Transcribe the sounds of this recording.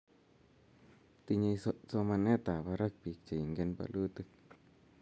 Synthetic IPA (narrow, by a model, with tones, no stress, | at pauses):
t̪i˧ɲa˧jsso˧ma˧ne˦t̪a˨ba˧ɾa˦k̚pi˨k̚t͡ʃa˨jŋɡe˦˧˦npa̰˧lu˦t̪ɨ˧k̚